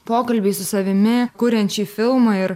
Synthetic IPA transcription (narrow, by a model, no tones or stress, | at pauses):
poːkɐlʲbʲiːsʊsɐʋʲɪmʲɪkuːɾʲɛnʲt͡ʃʲiːfʲɪlˠmɑɪɾ